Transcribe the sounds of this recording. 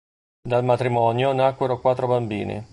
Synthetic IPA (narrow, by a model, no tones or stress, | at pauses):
d̪almat̪ɾimɔːnjonakːweɾokwat̪ːɾobambiːnḭ